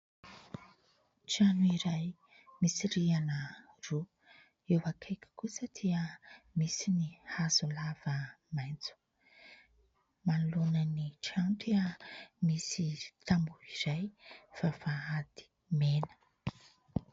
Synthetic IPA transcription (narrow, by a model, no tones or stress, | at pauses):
ʈ͡ʂianuiɾaj | misiɾianə | ru | ewakʰajkʲi̥kusəd̪iəmisinihazulav̥əmajnt͡su̥ | manulonəniʈ͡ʂant̪iəmisit̪ambuiɾajfavaad̪̥i̥ | menə̥